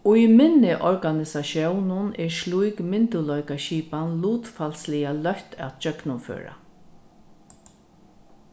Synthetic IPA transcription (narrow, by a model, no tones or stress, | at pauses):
ʊjmɪnːɪʔɔɹkanɪsaʃjɔwnʊnɛɾslujkmɪnt̪ʊlɔjkaʃiːpanluːt̪falslɪjalœht̪ʰa̰t̪t͡ʃœknʊnfø̰ːɾa̰